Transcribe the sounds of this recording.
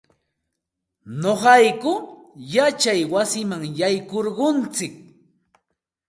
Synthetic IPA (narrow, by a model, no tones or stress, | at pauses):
noɢɑjkʊjat͡ʃajwasɪmaŋjajkoɾɢʊnt͡sɪk̚